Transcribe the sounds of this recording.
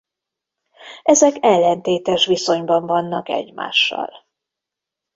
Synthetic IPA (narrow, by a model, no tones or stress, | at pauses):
ɛzɛkɛlːɛnt̪eːt̪ɛʃʋiso̞ɲbɒɱvɒnːɒkɛ̰ɟma̰ːʃːɒ̰l